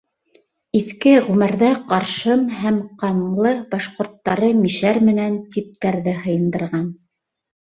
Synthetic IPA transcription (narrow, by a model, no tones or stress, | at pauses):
iθkɘʁʉmæɾðæqɑɾʃɤnɦæmqɑɴlˠɤbɑʃqŏɾt̪ːɑɾɤmiʃæɾmɘ̆nænt̪ip̚t̪æɾðɘhɤ̆jɤ̆nd̪ɤ̆ɾʁɑn